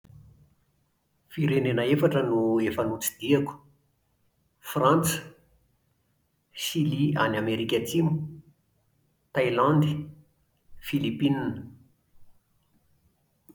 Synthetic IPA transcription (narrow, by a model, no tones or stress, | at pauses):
fiɾenenəefaʈ͡ʂənuefanut͡si̥d̪̥iaku̥ | frãnt͡sə̥ | ʃilianameɾikʲat͡simu̥ | t̪ajlãnd̪i | filipininə